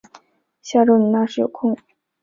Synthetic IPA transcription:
ɕja˥˧ʈ͡ʂo˥˩ʊnə˧˥na˥˧ʂɻ̩˥˩jo̰˨˩ʊkʰʊ˥˩ŋ

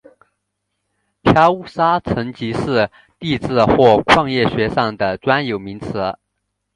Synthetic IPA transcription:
pʰja˥u˥˩sa˥t͡sʰɤ˧˥ŋt͡ɕi˧˥ʂɻ̩˥˧ | t̪i˥˧t͡sɹ̩˥˧xwɔ˥˧kʰwɑ˥˧ŋjɛ˥˩ɕɥɛ˧˥ʂɑ˥˩ŋd̪ə˩t͡swa˥njo˨˩ʊmi˧˥ŋt͡sʰɤ˧˥

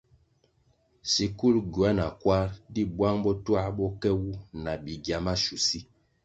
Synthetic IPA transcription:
si˨ku˦lɡwa˦na˨kwa˦ɾdi˦bwa˦ŋbɔ˦twa˦ɓɔ˦kɛ˦wu˦na˨bi˨ɡa˨ma˦ʃu˨si˦

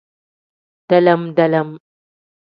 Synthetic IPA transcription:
d̥ɐ˦lɐ˦mdɐ˦lɐ˦m

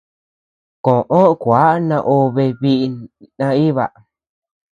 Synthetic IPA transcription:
kõ˨ʔõ˦ʔkʷa˨˦nã˧ʔo˧βe˧βi˦ʔnã˧i˦βa˨

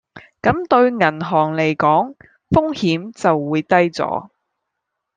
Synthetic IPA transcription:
kɐ˨˥mt̪ɵ˧ɥŋɐ˨˩nɦɔː˨˩ŋle˨˩jkɔː˨˥ŋ | fʊ˥ŋhiː˨˥mt͡sɐ˨wːuː˨˧jt̪ɐ˥jt͡sɔ̰ː˨˥

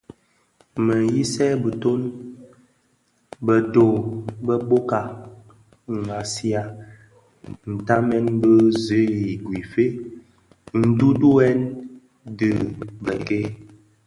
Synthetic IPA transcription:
mə˨ji˦sɛ˦bə˨to˦n | bə˨to˨bə˦bo˦ka˨ | ŋ˨a˨si˦a˨ | n̩˨ta˦mɛ˦nbə˦zə˨˦ji˨ɡwi˨fe˦ | n̩˨du˦du˦ɛ˦n | dɨ˨bə˨ke˦

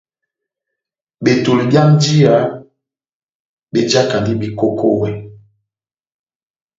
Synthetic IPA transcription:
be˨to˨li˨bja˦n̩˦d͡ʒi˦a˨˦ | be˦d͡ʒa˦ka˨ndi˦bi˨ko˦ko˦wɛ˨

